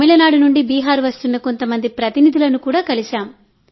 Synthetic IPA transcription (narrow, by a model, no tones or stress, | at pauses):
milɐnaːɽunuɳɖibiːɦaːɾuʋɐst̪unːɐko̞nt̪ɐmɐnd̪ipɾɐt̪inid̪ʱulɐnukuːɽaːkɐliʃaːm